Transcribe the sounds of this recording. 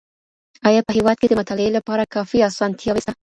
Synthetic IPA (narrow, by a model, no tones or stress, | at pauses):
ɑjɑpəɦewɑd̪̚ked̪əmʊt̪ɑlɪelapɑɾakɑfiɑsɑnt̪ʰjɑw